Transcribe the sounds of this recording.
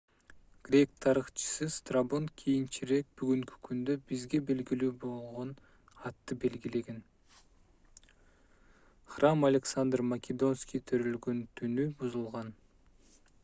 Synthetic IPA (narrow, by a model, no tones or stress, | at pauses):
ɡ̥rʲe̞kt̪ʰɑɾɯχt͡ʃɯ̥sɯst̪rabonkʰijint͡ʃiɾe̞k̚byɡyŋky̥kʰynd̪øbizɡe̞be̞lɡilyːbo̞lˠʁo̞n | ɑt̪ːɯbe̞lɡile̞ɡe̞n | χramɐlʲeksand̪rmɐkʲed̪o̞nskʲijt̪ʰøɾylɡønt̪ʰynybuzulˠʁɑn